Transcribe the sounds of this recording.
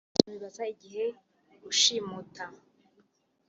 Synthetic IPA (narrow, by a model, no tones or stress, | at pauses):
βiβazaiɟiɦe̞ | uʃimutʰa